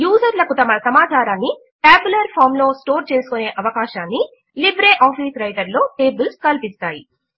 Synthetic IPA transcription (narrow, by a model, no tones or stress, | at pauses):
juːsɐɾlɐkut̪ɐmɐsɐmaːt͡ʃaːɾaːnːi | ʈaːbulɐɾpʰaːɾmlo̞ːsʈo̞ːɾt͡ʃe̞ːsu̥kune̞ːʔɐʋɐkaːʃaːnːi | libɾeːʔaːpiːsɾɐjʈɐɾlo̞ːʈe̞ːbulskɐlpist̪aːji